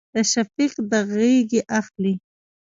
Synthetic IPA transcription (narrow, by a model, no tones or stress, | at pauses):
d̪̥əʃafiqd̪əɣeɡiʔaxli